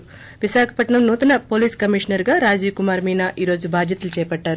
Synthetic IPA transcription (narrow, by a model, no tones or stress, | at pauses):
ʋiʃaːkʰɐ̥pɐʈɳɐmnuːt̪ɐnɐpo̞ːliːskɐmiʂnɐɾɡaːɾaːd͡ʒiːkumaːɾmiːnaːʔiːɾo̞ːd͡ʒubʱaːd̪jɐt̪ulut͡ʃɛːpɐʈːaːɾu